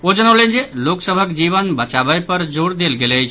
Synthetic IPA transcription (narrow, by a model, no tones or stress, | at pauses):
od͡ʒənəwlend͡ʒeloksəbʱəkd͡ʒiβənbət͡ʃabəjpəɾd͡ʒoɽd̪elɡelət͡ʃʰ